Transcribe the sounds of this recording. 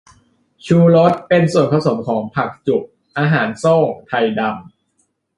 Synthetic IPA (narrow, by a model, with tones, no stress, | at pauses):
t͡ɕʰuː˧ɾo˦˥t̪̚pe˧nsu˨˩ənkʰa˧wso˩ə˦mkʰɔː˩˦ŋpʰa˨˩k̚t͡ɕu˨˩k̚ | ʔaː˧ɦaː˩˦nso˥˩ŋt̪ʰa˧jda˧m